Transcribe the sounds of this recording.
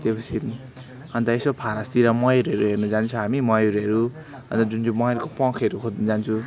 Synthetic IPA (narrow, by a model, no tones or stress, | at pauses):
t̪epʌt͡sʰi | ɦʌnt̪ʌesopʰaɾast̪iɾamʌjeɾuɦʌɾuɦernud͡zant͡sʰʌɦamimʌjeɾuɦʌɾu | ɦʌnt̪ʌd͡zund͡zumʌʌɾkopʌ̃kʰeɾukʰod̪nd͡zant͡sʰu